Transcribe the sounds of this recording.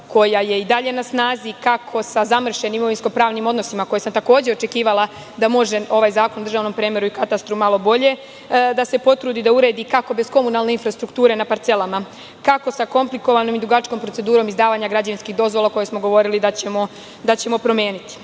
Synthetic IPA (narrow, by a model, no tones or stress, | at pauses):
ko̞jaje̞id̪aʎe̞nasnaːzikakʰo̞sazamr̩ʃe̞nimoʋinsko̞pɾaːʋnimo̞d̪no̞simako̞jesamt̪ako̞ːd͡ʑe̞o̞t͡ʃe̞kiːʋalˠa | d̪amo̞ʒe̞o̞ʋajzaːko̞nd̪r̩ʒaːʋno̞mpɾeːmeɾuikat̪ast̪ɾumalo̞bo̞ʎe̞ | d̪ase̞po̞t̪ɾuːd̪id̪auɾe̞ːd̪ikako̞be̞sko̞munalˠne̞infɾast̪ɾukt̪uːɾe̞napaɾt̪se̞lama | kako̞sako̞mpliko̞ʋanomid̪ɾuɡat͡ʃko̞mpɾot̪se̞d̪uːɾo̞mizd̪aːʋaɲaɡɾad͡ʑaʋinskiɣd̪o̞zʋo̞lako̞jesmo̞ɡo̞ʋo̞ɾilid̪at͡ɕe̞mo̞ | d̪at͡ɕe̞mo̞pɾo̞mjeːnit̪i̥